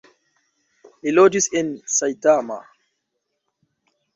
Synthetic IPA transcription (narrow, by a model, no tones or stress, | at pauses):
ʔilod͡ʒisɛnsajtama̰